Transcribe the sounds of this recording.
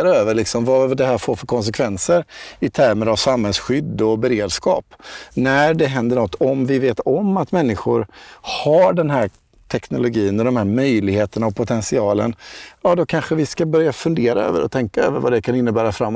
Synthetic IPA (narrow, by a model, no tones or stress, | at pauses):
ɾaøːvəɾɭɪksɔmvad̪ɛɦæːɾfoːɾfœɾkʰɔns̬ɛkʰvɛnsəɾɪt̪ʰæɾmənavsamhɛlsɧʏd̪ːɔbɛɾeːd̪skɑ̰ːpnæɖɛɦɛnd̪əɳɔt̪ːɔmvɪveːt̪ɔmːat̪mɛnːɪɧʊɾhaɖɛnɦæː | ʈ̪ʰɛknʊlʊɡiːənɔd̪ɔmhæːɾmœjlɪɡheːt̪əɳaɔpʰʊt̪ʰɛnsɪɑːlə̰nɑːd̪ɔkʰanɧəvɪskabœɾjafɵnd̪eːɾaø̰ːvə̰ɾɔ̰t̪ʰɛŋkaø̰ːvəɾvad̪ɛkʰanɪnːəbæːɾafɾamː